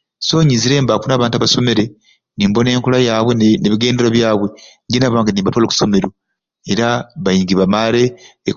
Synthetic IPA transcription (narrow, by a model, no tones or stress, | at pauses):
so̞ːɲiziɾe̞ːmbakunaːβaːntuaβaso̞me̞ɾe | niːmbo̞ne̞ːŋkulajaːβwe̞neβiɡe̞ːnde̞ɾoβjaːβwe̞ɲɟinaβaːŋɡaniːmbatwaloku̥so̞me̞ɾo | e̞ɾaβajiːŋɡiβamaɾe̞ː